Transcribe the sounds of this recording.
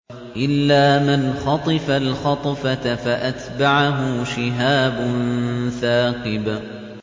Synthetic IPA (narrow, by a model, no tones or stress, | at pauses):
ʔɪlːaːmanxɑt̪ˤɨfalxɑt̪ˤɑfat̪afaʔat̪baʕaɦʊʃɪɦaːbʊnθaːqɨb